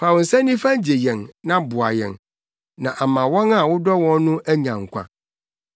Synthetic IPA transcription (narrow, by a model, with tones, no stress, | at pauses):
pʰa˨wn̩˨sɛ˦nĩ˦fã˦d͡ʑe˨jɛ̃˨nnã˦bʊ˨a̰˨jɛ̰̃˨ŋ | nã˨ʔa˨mã˨wɔ̃˦na˦˨wʊ˦dɔ˦wɔ̃˦n˦nʊ̃˦æ˦ɲã˨ŋ̩˨kʷʰã̰˨